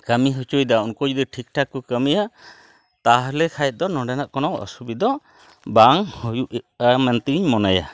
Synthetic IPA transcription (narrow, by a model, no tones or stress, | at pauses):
kamiɦut͡ʃujd̪aunkɔd͡ʒd̪ɛʈʰik̚ʈʰakukəmija | t̪aɦlɛkʰajt̪̚d̪ɔnɔɖɛnaʔkɔnɔwɔ̰subid̪ɔ | baŋhujuʔʔamɛnt̪iɲmɔnaja̰